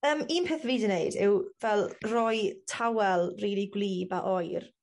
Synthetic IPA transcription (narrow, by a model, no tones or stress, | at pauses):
əːmiːnpʰeːθviːdəneɨdɪwvɛlˠrɔjtʰawɛlˠriːlˠiɡwliːbaʔɔjr